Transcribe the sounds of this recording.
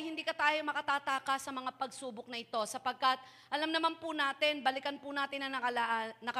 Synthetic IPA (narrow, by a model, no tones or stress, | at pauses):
jhɪnd̪iːkɐt̪aːjomɐkɐt̪aːt̪aːkasːɐmɐŋapɐɡsuːbok̚nɐʔɪt̪o̞sɐpɐɡ̚kɐt̪̚ | ʔɐlamnɐmanpʊnaːt̪ɪnbɐlɪkɐnpʊnaːt̪ɪnɐɐɐlanɐkɐ